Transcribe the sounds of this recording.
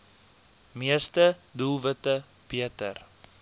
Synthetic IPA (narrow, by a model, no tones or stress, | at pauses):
miəstədulˠvətə | b̥iətə̰r